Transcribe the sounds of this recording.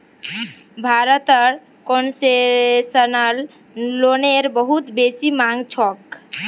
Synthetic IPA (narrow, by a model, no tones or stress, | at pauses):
bʱaɾət̪əɾ | konsesənəlː | oneɾbəɦut̪besimaŋɡt͡ʃʰɔk